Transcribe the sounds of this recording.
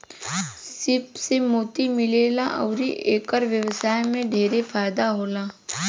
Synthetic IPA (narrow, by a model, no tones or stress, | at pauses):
sɪpsemoːt̪imɪleːlaʔɐ̰ʊɾḭʔeːkəɾʋjəʋsaːjmẽɖʱeːɾefʰaːjd̪aɦoːlaː